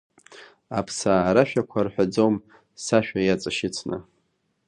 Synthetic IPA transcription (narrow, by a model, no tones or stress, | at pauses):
a̰pʰsaːɾaʃᶣakʷʰarħʷᶣad͡zom | saʃᶣajat͡sʼɨʃɪt͡sʰnɨ̰